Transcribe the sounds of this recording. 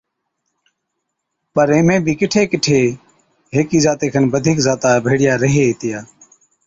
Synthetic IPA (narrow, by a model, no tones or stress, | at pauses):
pəɾeːmẽːbʱiːkɪʈʰeːkɪʈʰeː | ɦeːkiːzaːt̪eːkʰənbəd̪ʱiːkzaːt̪aːbʱeːɽɪjaːɾəɦeːiːt̪ɪjaː